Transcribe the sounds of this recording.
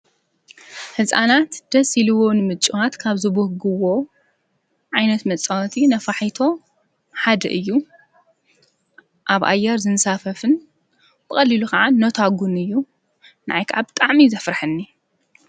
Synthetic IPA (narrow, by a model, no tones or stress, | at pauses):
hɨsʼa̰nat̪d̪̥ɐsilɨwo̞nɨmɨt͡ʃʼiwat̪kʰaβzɨβuhɡɨwo̞ | ʕajnɐt̪mɐt͡sʼawt̪ʰinɐfaħit̪ʰo̞ | ħad̪ɐ̰ʔɨjːu | ʔaβʔa̰jːɛɾzɨnsafɐfɨn | b̥ɨxʼɐlːilukʰɐʕanːot̪ʰaɡunɨjːu | naʔajkʰaʕabɨt̪ʼaʕmizɐfɾħɨnːi